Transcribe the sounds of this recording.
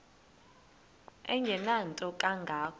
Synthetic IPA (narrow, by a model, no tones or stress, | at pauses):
ɛ̰ɲʱɛnantʼɔkʼaŋɡʱaːk